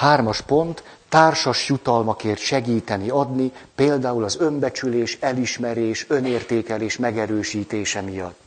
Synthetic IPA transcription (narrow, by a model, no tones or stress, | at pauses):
haːrmɒʃpo̞nt̪ː | aːrʃɒʃjut̪ɒlmɒkeːrt̪ʃɛɡiːt̪ɛniɒd̪nipeːld̪aːulɒzø̞mbɛt͡ʃyleːʃɛliʃmɛɾeːʃø̞neːrt̪eːkɛleːʃmɛɡɛɾøːʃiːt̪eːʃɛmijɒ̰t̪ː